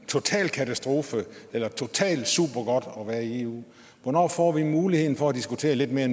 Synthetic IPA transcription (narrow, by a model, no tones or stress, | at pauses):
t͡sʰo̝t͡sʰɛ̰ːlkʰæt͡sʰæsd̥ʁo̝ːfəelɐt͡sʰo̝t͡sʰɛ̰ːld̥suːb̥ɐɡ̥ɒ̽d̥ɒ̽ʋæːɐie̝ːṵː | ʋɒnɒ̰ːfɒ̰ːʋimuːlihe̝ð̰ˠn̩fɒ̽æd̥isɡ̥ut͡sʰe̝̰ːɐle̝d̥̚me̝ːɐen